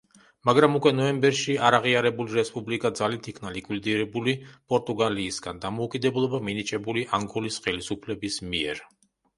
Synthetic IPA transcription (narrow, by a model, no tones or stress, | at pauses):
maɡɾamukʼwɛnɔɛmbɛɾʃiaɾaʁiaɾɛbuliɾɛspʼublikʼad̪zalit̪ʰikʰnalikʼwid̪iɾɛbulipʼɔɾt̪ʼuɡaliːsɡand̪amɔukʼid̪ɛblˠɔbaminit͡ʃʼɛbuliʔaŋɡɔlisχɛlisupʰlɛbismiɛ̰ɾ